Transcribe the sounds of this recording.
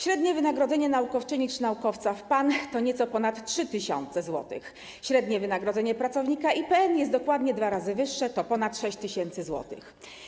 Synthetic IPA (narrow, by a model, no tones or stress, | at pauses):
ɕɾɛd̪ɲɛvɘnaɡɾɔd̪zɛɲɛnaukɔft͡ʂɘɲit͡ʂnaukɔft̪safpant̪ɔɲɛt̪sɔpɔnat̪tʂɘt̪ɘɕɔ̰nt̪sɛzwɔ̰t̪ɘ̰x | ɕɾɛd̪ɲɛvɘnaɡɾɔd̪zɛɲɛpɾat̪sɔvɲikaʔipɛɛnjɛst̪d̪ɔkwad̪ɲɛd̪vaɾazɘvɘʂːɛt̪ɔpɔnat̪ʂɛɕt͡ɕt̪ɘɕɛnt̪sɘzwɔ̰t̪ɘ̰x